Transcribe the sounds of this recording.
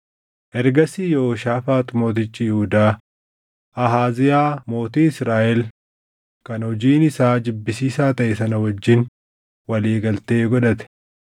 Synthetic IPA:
ʔɛɾɡɐsiːjooʃaːfaːt̪ʊmo̞ːt̪̬ɪt͡ʃʼːɪjɪhʊd̪aː | ʔɐɦaːzɪjaːmo̞ːt̪iːɪsɾaːʔɛl | kɐnhɔd͡ʒiːnɪsaːd͡ʒ̪ɪbːɪsiːsaːt̪ɐʔɛsɐnɐwɐd͡ʒːɪn | wɐleːɡɐlt̪e̞ːɡɔᶑɐt̪ɛ̥

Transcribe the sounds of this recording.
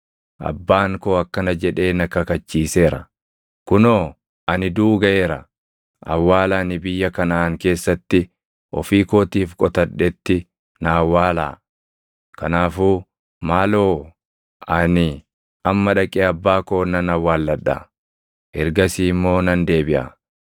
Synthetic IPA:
ʔɐ̰bːaːŋko̞ːɐkːɐnɐd͡ʒɛᶑe̞ːnɐkɐkɐt͡ʃːiːse̞ːɾɐ̰ | kʊnoː | ʔɐnɪd̪uːɡɐʔe̞ːɾɐ | ʔɐ̰wːaːlanɪbɪjːɐkɐnaːŋke̞ːsːɐt̪ːɪ | ʔɔ̰fiːko̞ːt̪iːfkʼɔt̪ɐᶑɛt̪ːɪ | nawːaːla̰ː | kɐnaːfuː | maːloː | ɐnɪ | ɐmːɐᶑɐkʼeːɐbːaːko̞ːnɐnɐwaːlːɐᶑa̰ | ʔɛɾɡɐsiːmːo̞ːnɐnd̪e̞ːbɪʔa̰

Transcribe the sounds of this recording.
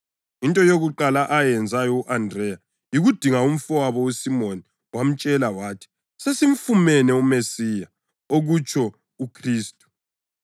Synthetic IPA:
intʼɔjoɣuǃalaʔajɛnd͡zʱajɔuʔandrɛja | jiɣud̥ʱiŋaum̩fɔwaβɔusimoni | wam̩t͡ʃʼɛlawaːtʰi̥ | sesiɱ̩fumɛnɛumesija | oɣut͡ʃʰʼɔ | ukʰriːstʼu̥

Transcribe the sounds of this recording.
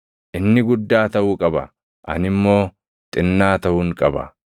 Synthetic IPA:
ʔɪnːɪɡʊd̪ːaːt̪ɐʔʊːkʼɐbɐ̰ | ʔɐ̰nɪmːo̞ː | t̪ʼɪnːaːt̪ɐʔuːŋkʼɐbɐ̰

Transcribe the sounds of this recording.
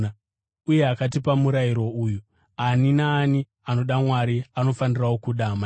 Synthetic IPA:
uje̞akat̬ipamuɾaiɾo̞uːju | aninaːni | ano̞ɗamwaɾiano̞fanirawokuɗama

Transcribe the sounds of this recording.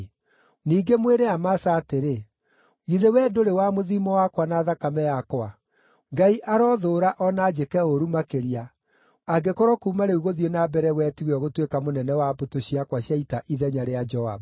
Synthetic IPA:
niːɡemweɾeamasaːteɾe | iðewɛːdoɾewamoðimɔwakwanaːðakamɛjakwa | ŋɡaiʔaɾɔðoːɾaʔɔnaːd͡ʒekɛoɾumakeɾia | aɡekɔɾɔkuːmaneuɣoðionabɛɾɛwɛtiɣɛɔɣotwekamonɛnɛwabotoɕiakwaɕjaitaʔiðɛɲaɾead͡ʒɔa̰b

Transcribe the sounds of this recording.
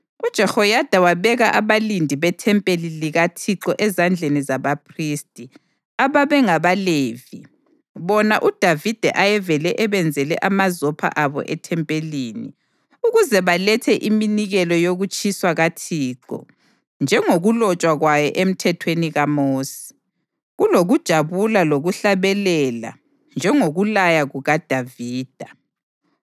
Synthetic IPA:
ud̥ʒ̥ʱɛxɔjad̥ʱawaβɛɣaʔaβalindʱiβɛtʰɛmpʼeliliɣatʰiǁɔʔɛzand͡ɮʱenizaβapʰriːstʼi | aβaβɛŋaβaleːvi | βɔna̰ʔud̥ʱavid̥ʱɛʔajɛvɛlɛʔɛβɛnd͡zʱɛlɛ̰ʔamazɔpʰa̰ʔaβɔ̰ʔɛtʰɛmpʼeliːni | uɣuzɛβalɛtʰɛʔiminiɣɛlɔjoɣut͡ʃʼiswaɣatʰiːǃɔ̰ | nd͡ʒʱɛŋoɣulɔt͡ʃʼwaɣwajɔʔem̩tʰɛtʰweniɣamoːsi̥ | ɣuloɣud̥ʒ̥ʱaβulaloɣuɬaβɛlɛla̰ | nd͡ʒʱɛŋoɣulajaɣuɣad̥ʱaviːd̥ʱa

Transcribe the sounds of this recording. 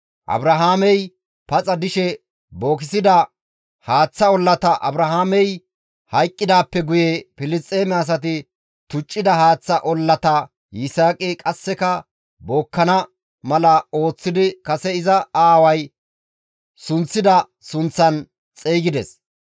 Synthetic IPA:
ʔɐ̰bɾɐɦaːmɛj | pɐt͡sʼɐd̪ɪʃɛ | bo̞ːkɪsɪd̪ɐ | haːt͡sːɐɔlːɐt̪ɐʔɐ̰bɾɐɦaːmɛj | hɐjkʼːɪd̪aːpːɛɡʊjɛpɪlɪstʼeːmɛɐs̬ɐt̪̬ɪ | t̪ʊt͡ʃʼːɪd̪ɐhaːt͡sːɐʔɔlːɐt̪ɐ | jɪsaːkʼɪkʼɐsːɛkɐ | bo̞ːkːɐnɐ | mɐlɐo̞ːt͡sːɪd̪ɪkɐsɛɪzɐaːwɐj | sʊnt͡sːɪd̪ɐ | sʊnt͡sːɐn | t͡sʼeːɡɪd̪ɛs

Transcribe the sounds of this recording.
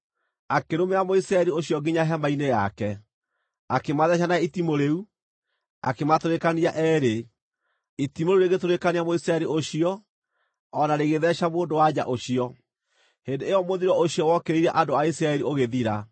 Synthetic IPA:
akeɾomeamoisɾaɛɾioɕiɔɡiɲaɦɛmaineja̰kɛ | akemaðɛɕ̬anaitimoɾeu | a̰kematoɾekaniaʔɛːɾe | itimoɾeuɾeɣetoɾekaniamoisɾaɛɾiʔoɕiɔː | naɾeɣeðɛɕamoːndowad͡ʑa̰ʔoɕiɔ | hendeejɔmoðiɾɔoɕiɔwɔkeɾeiɾɛʔadoaisɾaɛɾioɣeðiɾa

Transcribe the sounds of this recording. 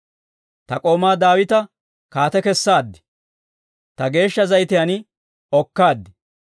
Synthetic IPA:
t̪ɐkʼo̞ːmaːd̪aːwɪt̪ɐ | kaːt̪ɛkɛsːaːd̪ːɪ̥ | t̪ɐɡe̞ːʃːɐzɐjt̪ɪjɐnɪ | ɔkːaːd̪ːɪ̥

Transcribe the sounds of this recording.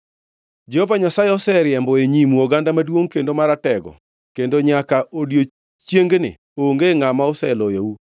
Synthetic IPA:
d͡ʒɛhovaɲasajeɔsɛɾjɛmbɔeɲimuɔɡandamadwoŋkendomaɾatɛɡɔ̰ | kendoɲakaʔodjo | t͡ʃjeŋɡnɪ̰ | oŋɡeŋamaosɛlɔjou

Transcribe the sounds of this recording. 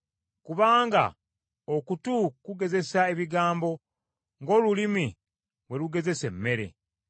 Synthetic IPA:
kuβaːŋɡa̰ | okutukuɡe̞ze̞sae̞βiɡaːmbo̞ | ŋɡo̞ːlulimi | we̞luɡe̞ze̞se̞mːe̞ɾe̞̰

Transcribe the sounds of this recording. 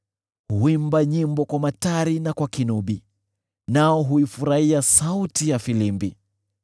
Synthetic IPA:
huimbaɲimbɔkwamataɾinakwakinuɓi | naɔɦuifuɾaiasautijafilimbi

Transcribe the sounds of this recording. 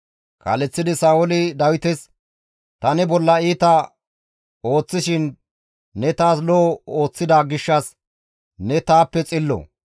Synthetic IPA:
kɐ̰lɛt͡sːɪd̪ɪsaːʊlɪd̪ɐwɪt̪ɛs | t̪ɐnɛbɔlːɐiːt̪ɐ | o̞ːt͡sːɪʃɪnː | ɛt̪aːsloo̞ːt͡sːɪd̪aːɡɪʃːɐs | nɛt̪aːpːɛt͡sʼɪlːɔ̰

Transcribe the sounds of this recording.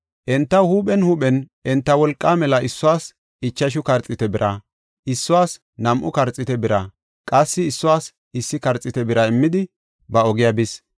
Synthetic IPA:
ʔɛnt̪ːɐhuːɓɛnhuːɓɛnʔɛnt̪ːɐwɔlkʼːaːmɛlɐʔɪsːʊwaːs | ɪt͡ʃːɐʃ̬ʊkɐɾt͡sʼːɪt̪ɛbɪɾʔa | ʔɪsːʊwaːs | nɐmʔʊkɐɾt͡sʼːɪt̪ɛbɪɾa | kʼɐsːɪːsːʊwaːs | ɪsːɪkɐɾt͡sʼːɪt̪ɛbɪɾɐɪmːɪd̪ɪ | bɐɔɡɪjabɪs

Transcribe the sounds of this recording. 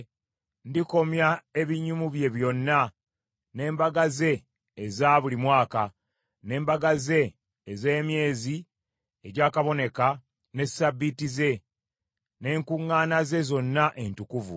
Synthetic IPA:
ndiko̞mjae̞βiɲːumuβje̞βjo̞nːa | ne̞ːmbaɡaze̞ː | zaβulimwaːka | ne̞ːmbaɡaze̞ː | ze̞ːmje̞ːzi | eɟaːkaβo̞ne̞ka | ne̞sabːitize̞ | ne̞ːŋkuŋːaːnaze̞zo̞nːaʔe̞ntukuvṵ

